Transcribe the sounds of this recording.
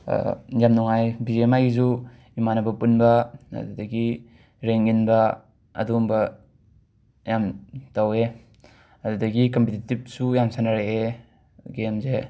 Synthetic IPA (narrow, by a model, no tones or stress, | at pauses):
jamnuŋajbizemajizu | imanɐbɐpunbɐɐ̰dudɐɡi | ɾeŋinbɐ | ɐ̰dumbɐ | jamtawe | ɐdudɐɡikɐmpititib̚sujamsʰanaɾeʔe | ɡemze